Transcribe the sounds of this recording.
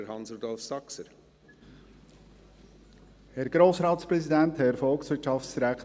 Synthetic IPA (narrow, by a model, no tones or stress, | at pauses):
əɾhɑnsɾud̪ɔlfsɑksəɾ | hɛɾɡ̥ɾoːsɾɑːt̪spɾɛsidænt̪hɛɾfɔlksʋɪːɹtʃɑftsd̥iɾækt